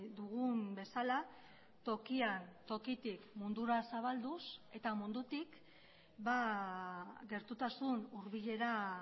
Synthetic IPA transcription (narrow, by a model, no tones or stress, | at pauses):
d̪uɣumbe̞sala | t̪o̞kiant̪o̞kit̪ikmund̪uɾasaβald̪use̞t̪amund̪ut̪ik | ba | ɣe̞ɾt̪ut̪asunuɾβiʎe̞ɾa